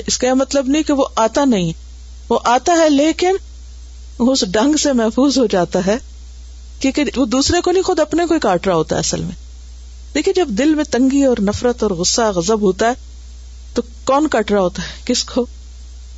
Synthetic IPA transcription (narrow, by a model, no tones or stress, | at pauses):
ɪskamɐt̪ləbnɐɦĩkeʋoʔaːt̪anɐɦĩ | ʋoʔaːt̪aɦɛleːkɪn | ʊsɖɐ̃ŋɡsemɛɦfuːzɦod͡ʒaːt̪aɦɛː | kjĩːkeʋod̪uːsɾekonɐɦĩxʊd̪ɐpnekoikaːʈɾaɦoːt̪aɦɛ̰ɐsə̰lmḛ̃ | d̪̥eːkʰied͡ʒɐbd̪ɪlmẽt̪ɐ̃ŋɡiɔːɾnɐfɾət̪ɔːɾɣʊsːaɣɐzəbɦoːt̪aɦɛː | t̪o | kɔːnkaːʈɾaɦoːt̪aɦɛkɪskʰoː